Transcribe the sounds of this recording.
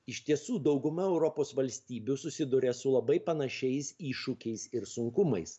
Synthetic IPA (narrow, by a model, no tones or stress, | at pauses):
ɪʃʲt̪ʲiɛsuːd̪ɒʊɡʊmɐɛʊɾɔpoːsʋɐlʲsʲt̪ʲiːbʲʊsʊsʲɪd̪ʊɾʲesʊlˠɐbɐɪpɐnɐʃʲɛɪsiːʃʊkʲɛɪsɪɾsʊŋkʊmɐɪs